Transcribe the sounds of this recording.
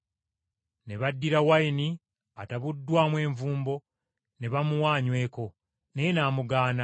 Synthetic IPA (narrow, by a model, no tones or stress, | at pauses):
ne̞βadːiɾawaini | ataβudːwaːmwe̞ːɱvuːmbo̞ | ne̞βamuwaːɲwe̞ːko̞ | nejenaːmuɡaːna